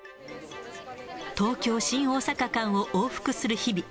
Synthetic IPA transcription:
t̪o̞ːkʲo̞ːɕĩɰ̃o̞ːsakakãɰ̃o̞ʔoːɸɯ̟̥kɯ̟sɨɾɯ̟çibʲi

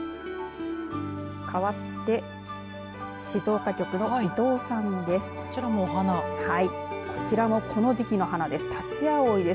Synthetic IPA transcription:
kʰaβat̪ːe̞ | ɕizo̞ːkakʲo̞kɯ̟no̞id̪o̞ːsãnd̪e̞sɨ̥ | iɾamoɦanahaikʰo̞̥t͡ɕiɾamo̞kʰo̞no̞ʑikʲino̞ɦanad̪e̞sɨ̥t̪ʰat͡ɕiaoid̪e̞s

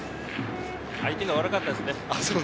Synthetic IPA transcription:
ait̪e̞ɡaβaɾɯkat̪ːad̪esɨne̞asoː

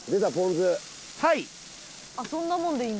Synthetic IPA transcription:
d̪esapõnzɨ | hai | asõ̞nːamõnd̪eĩːn

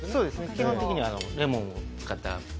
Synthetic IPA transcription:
soːd̪esnekʲiɦõt̪e̞kiɲ̟iβanoɾe̞mõɰ̃ot͡sɨ̥kat̪ːa̰

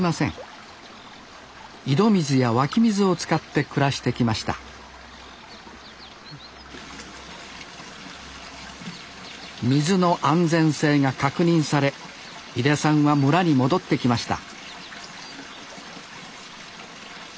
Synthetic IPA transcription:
asḛ̃ | id̪o̞mʲizɨjaβakʲimʲizɨo̞t͡sɨ̥kat̪ːe̞kɯ̟ɾaɕi̥t̪e̞kʲimaɕi̥t̪a̰ | mʲizɨno̞ʔãnd͡zẽ̞ɰ̃se̞ːŋakakɯɲ̟ĩɰ̃saɾe̞ | id̪e̞sãɰ̃βamɯ̟ɾaɲ̟imo̞d̪o̞t̪ːe̞kʲimaɕi̥t̪a̰

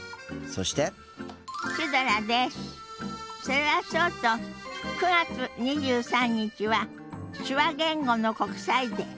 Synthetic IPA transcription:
soɕi̥t̪e̞ | ɕid̪oɾad̪esɨ̥so̞ɾe̞βat͡ɕot̪ːo̞kɯ̟ɡat͡sɨɲ̟iʑɨːsãɲ̟ːit͡ɕiβa | ɕɨβaɡẽ̞ŋɡo̞no̞ko̞kɯ̟̥said̪e̞

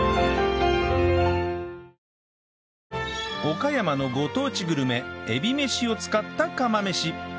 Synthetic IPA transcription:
o̞kajamano̞ɡo̞t̪o̞ːt͡ɕiɡɯ̟ɾɯ̟me̞ebʲime̞ɕio̞t͡sɨ̥kat̪ːakamame̞ɕi

